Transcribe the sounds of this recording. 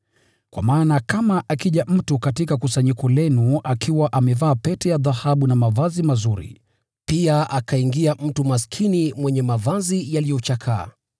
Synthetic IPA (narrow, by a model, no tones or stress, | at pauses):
kwa̰maːnakamaʔakiʄam̩tukatikakusaɲikɔlɛnuakʰiwaʔamɛvaːpɛtɛjaðahaɓunamavazimazuɾḭ | piaʔakʰaiŋɡiam̩tumaskʰinimwɛɲɛmavazijalijɔt͡ʃakʰa̰ː